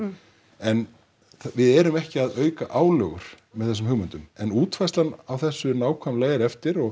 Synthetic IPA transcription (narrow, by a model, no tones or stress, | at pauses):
ɛn | vɪðɛɾʏmɛhcɪaðœːɥkaʔaːwlœɣʏɾ̥ | mɛðθɛs̬ʏmhʏɣmʏnt̪ʏmɛnuːt̪fajslanawθɛsːʏnaːwkʰvamlajɣɾɛft̪ɪɾɔɣ